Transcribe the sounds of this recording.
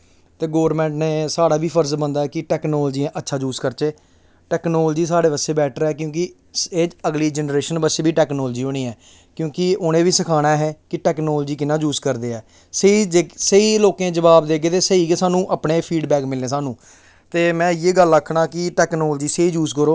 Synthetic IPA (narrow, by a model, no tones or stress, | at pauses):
t̪eːɡoːʋəɾmɛ̃ːɳʈneːsaːɽaːʋiːpʰəɾzbənd̪aːɛːkɪʈɛːknoːld͡ʒiːãːʔətːʃʰaːd͡ʒuːskəɾt͡ʃeː | ʈɛːknoːld͡ʒiːsaːɽeːʋəseːbɛːʈʰɾɛːkjõːk̬ɪ | eːd͡ʒəɡliːd͡ʒɛnɾeːʃənbəseːbiːʈɛːknoːld͡ʒiːɦoːñiːɛː | kjõːkɪʊnẽːʋiːsəkʰaːɽ̃aːɦɛːkɪʈɛːknoːld͡ʒiːkɪnãːd͡ʒuːzkəɾd̪eːɛː | səiːd͡ʒeːsəiːloːkẽːd͡ʒəʋaːbd̪eːɡeːt̪eːsəiːkeːsaːnũːʔəpɳeːpʰiːɖbɛːkmɪlːẽːs̬aːnũː | t̪eːmɛ̃ːjeːɡələkʰːɽãːkɪʈɛːknoːld͡ʒiːseiːd͡ʒuːzkəɾoː